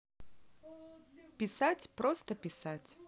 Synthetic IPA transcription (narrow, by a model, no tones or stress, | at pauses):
pʲisatʲpɾɔst̪əpʲisatʲ